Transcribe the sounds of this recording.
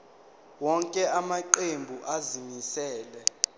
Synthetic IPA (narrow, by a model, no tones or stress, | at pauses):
wɔŋkʼɛamaǃembʱuʔazimisɛːlɛ